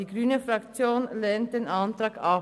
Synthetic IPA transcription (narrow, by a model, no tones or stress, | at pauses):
iːɡʁyːnəfʁakt͡sjoːnlɛnt̚d̥eːnʔantʁaːɡa